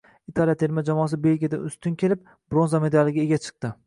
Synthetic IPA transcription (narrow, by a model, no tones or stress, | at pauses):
it̪ʰalijat̪ʰe̞ɾmad͡ʒamɒːs̬ɪbe̞lɡʲijad̪a̰ʊst̪ʊnkʲʰe̞lɪp̚ | b̥ɾonzame̞d̪alɪɡʲaeɡʲat͡ʃʰɨ̥q̚t̪ɪ